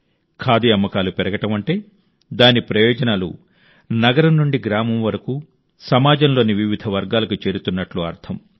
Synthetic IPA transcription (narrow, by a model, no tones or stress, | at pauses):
kʰaːd̪iɐmːɐkaːlupɛɾɐɡɐʈɐmɐɳʈe̞ː | d̪aːnipɾɐjɔːd͡ʒɐnaːlṵ | nɐɡɐɾɐmnuɳɖiɡɾaːmɐmʋɐɾɐku | sɐmaːd͡ʒɐmlo̞ːniʋiʋid̪ʱɐʋɐɾɡaːlɐkut͡ʃe̞ːɾut̪unːɐʈluɐɾt̪ʰɐm